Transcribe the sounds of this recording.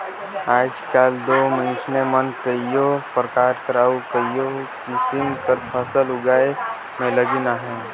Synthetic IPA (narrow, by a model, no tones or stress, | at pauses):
aːd͡ʒkaːld̪oːmə̃nsnemənkəjopɾəkaːɾkəɾaːukəijokɪsimkəɾpʰəsəlʊɡaːe | mẽləɡinaɦɛ̃ː